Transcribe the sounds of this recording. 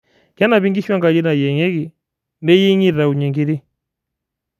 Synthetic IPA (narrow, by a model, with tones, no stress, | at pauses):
kja˦na˨βi˦ŋɡi˦ʃwa˦ŋɡa˨d͡ʒi˦na˨jɛ˨ŋɛ˦ɣi˨ | ndɛ˦ji˦ɲi˦ɾa˨u˨ɲɛ˨ŋɡi˦ɾi˦